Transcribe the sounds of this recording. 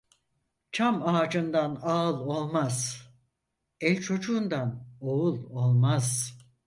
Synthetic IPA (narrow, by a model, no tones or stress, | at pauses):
t͡ʃʰamaːd͡ʒɯnd̪anaɯlˠo̞lˠmaz̥ | ɛlʲt͡ʃʰo̞d͡ʒuːnd̪ano̞ulˠo̞lˠmaz̥